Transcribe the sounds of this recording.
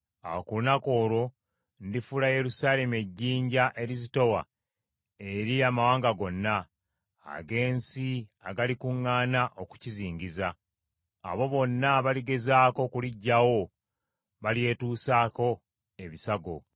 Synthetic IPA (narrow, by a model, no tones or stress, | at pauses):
a̰wokulunako̞ːɾo̞ | ndifulaje̞ɾusaːle̞me̞ɟːiːɲɟaʔe̞ɾizito̞wa̰ | e̞ɾiamawaːŋɡaɡo̞nːa̰ː | ɡe̞ːnsiaɡalikuŋːaːnaʔo̞ku̥ciziːɲɟiza̰ː | βo̞βo̞nːaβaliɡe̞zaːko̞kuliɟːawo̞ | βalje̞ːtuːsaːko̞ | e̞βisaɡo̞̰